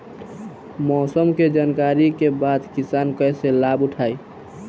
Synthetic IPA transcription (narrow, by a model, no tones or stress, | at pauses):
mɔːsəmked͡ʒaːnkaːɾikebad̪kɪsaːnkəselaːbʊʈʰaːi